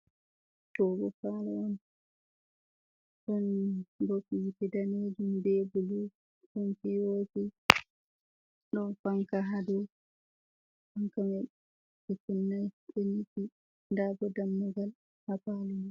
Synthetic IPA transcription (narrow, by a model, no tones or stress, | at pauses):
tɔbɔfalaʔɔn | ɗɔnbɔfiitɛdaned͡ʒumbɛbulu | ɗɔnfiwoti | ɗɔnfaŋkaɦadɔ | faŋkamɛ | ɛkunːajɗeniti | ndabɔdamːuɡal | hapalɛ